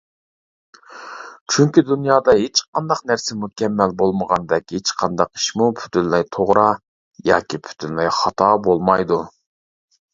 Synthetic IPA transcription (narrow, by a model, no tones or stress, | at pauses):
t͡ʃʰyŋkʲid̪ynjɑːd̪ɑɦet͡ʃqʰɑnd̪ɑqnæɾsɪmukʲʰɛmːɛlbolˠməʁɑnd̪ɛkʲhet͡ʃqʰɑnd̪ɑqi̥ʃmupʰy̥t̪ʰynlɛjt̪ʰoʁɾɑ | jɑ̰ːkʲipʰy̥t̪ʰynlɛjχɑt̪ʰɑbolˠmɑjd̪u